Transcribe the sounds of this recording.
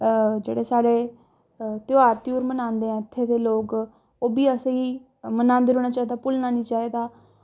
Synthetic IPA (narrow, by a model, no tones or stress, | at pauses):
d͡ʒḛːɽeːsaːɽeː | t̪jaːɾt̪iuːɾmənãːnd̪eːɛ̃t̪ʰːeːd̪eːloːk | oːbiːəseiː | mənãːnd̪eɾoːnaːt͡ʃaːiːd̪aːpʊlnaːnĩːt͡ʃaːiːd̪aː